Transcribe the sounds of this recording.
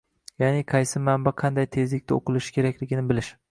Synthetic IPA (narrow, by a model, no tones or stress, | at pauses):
janɪqʰɑjsɪmambaqʰɑnd̪ajt̪ʰe̞zlɪk̚ʲt̪aoqɨlˠɪʃkʲʰe̞ɾakʲlɪɡʲɪnɪbɪlɪʃ